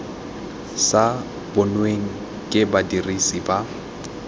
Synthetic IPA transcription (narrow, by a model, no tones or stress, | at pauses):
sa | bʊnweŋ̩ | kʼɪbadirisiba